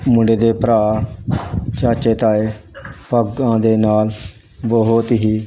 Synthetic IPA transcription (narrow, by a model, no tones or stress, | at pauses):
mʊ̃ɳɖeːd̪eːpəɾaː | t͡ʃaːt͡ʃeːt̪aːeːpəɡãːd̪eːnaːl | boɦoːt̪ɦiː